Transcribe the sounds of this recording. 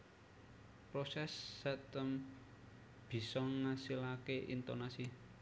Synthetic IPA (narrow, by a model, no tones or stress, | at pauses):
pɾosɛsːɛt̪əm | b̥i̤sɔŋasilakeʔḭnt̪onasi